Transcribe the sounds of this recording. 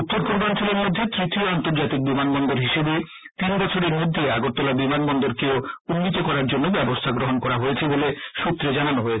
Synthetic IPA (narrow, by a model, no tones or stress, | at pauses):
ut̪ːoɾpoɾbant͡ɕoleɾmod̪ʱːet̪ɾit̪ioant̪oɾd͡ʑat̪ik̚bimanbɔnd̪oɾɦiʃebe | t̪inbɔt͡ɕʰoɾeɾmod̪ʱːeaɡot̪ːɔlabimanbɔnd̪oɾkeounːit̪okɔɾaɾd͡ʑonːobɛbost̪ʰaɡɾoɦonkɔɾaɦojet͡ɕʰeboleʃut̪ːɾed͡ʑananoɦoet͡ɕʰ